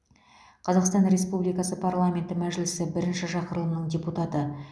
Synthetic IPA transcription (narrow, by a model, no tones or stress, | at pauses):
qʰɑzɑqst̪ɑnɾʲe̞spublijkɑsəpʰarlˠamʲe̞nt̪ɪmæʒlɪsɪbɪɾɪnʃɪʃɑqəɾəlˠənəɴdʲeput̪at̪ə